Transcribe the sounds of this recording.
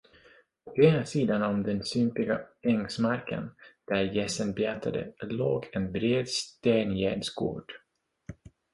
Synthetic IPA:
ɔkeːnasiːd̪anɔmd̪ɛnsʏmpɪɡaɛŋsmaɾkʰə̰nd̪̥æɾjɛsənbɛat̪ʰːad̪ə̰loːɡɛnbɾeːd̪st̪eːnjæ̰ːɖsɡo̰ːɖ̥

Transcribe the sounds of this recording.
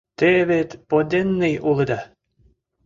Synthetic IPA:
t̪eβet̪pod̪ʲenːejulˠɤ̆d̪ɑ

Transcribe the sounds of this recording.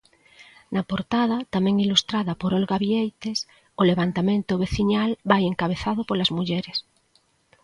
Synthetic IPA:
napoɾt̪að̞at̪amẽŋilust̪ɾaðapoɾolɣaβjejt̪es | oleβant̪amẽnt̪oβ̞eθiɲalbajeŋkaβeθað̞opolazmuʎeɾes

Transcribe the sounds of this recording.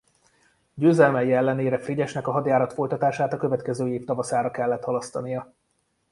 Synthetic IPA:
ɟøːzɛlmɛjiɛlːɛneːɾɛfriɟɛʃnɛkɒɦɒd̪jaːɾɒt̪fo̞jt̪ɒt̪aːʃaːt̪ɒkø̞vɛt̪kɛzøːjeːpt̪ɒvɒsaːɾɒkɛlːɛt̪hɒlɒst̪ɒnijɒ

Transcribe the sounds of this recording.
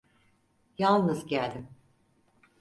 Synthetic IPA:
jalˠnɯzɟælʲd̪im

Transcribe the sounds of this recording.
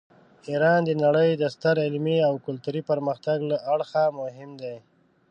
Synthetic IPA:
iɾɑnd̪ənaɽəjd̪əst̪əɾɪlmiawkʊlt̪uɾipəɾməxt̪aɡlaʔaɽxamʊɦɪmd̪aj

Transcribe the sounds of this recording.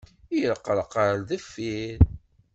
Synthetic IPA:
jəlqːəlqəɾðəfːiɾ

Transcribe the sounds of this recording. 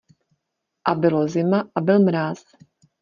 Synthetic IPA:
ʔabɪlozɪmaʔabɪlmɾaːs

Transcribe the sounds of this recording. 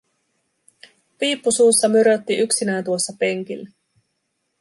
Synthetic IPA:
piːpːusuːsːɑmyɾøt̪ːiʔyksinæːnt̪uosːɑpe̞ŋk̟ilːæ

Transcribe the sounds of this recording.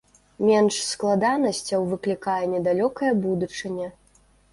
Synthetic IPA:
mʲɛnʂsklˠad̪anɐsʲt͡sʲɐwvɨklʲikajɛnʲɛd̪alʲɔkɐjɐbud̪ut͡ʂɨnʲɛ

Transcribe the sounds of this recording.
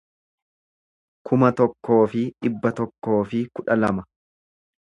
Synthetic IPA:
kʰʊmɐt̪ɔkːo̞ːfɪᶑɪbːɐt̪ɔkːo̞ːfɪkʊᶑɐlɐmɐ

